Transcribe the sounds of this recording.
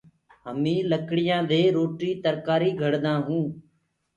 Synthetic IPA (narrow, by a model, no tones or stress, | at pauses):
ɦəmĩːləkɽɪjãːd̪eːɾoːʈiːt̪əɾkaːɾiːɡʱəɽd̪ãːɦũː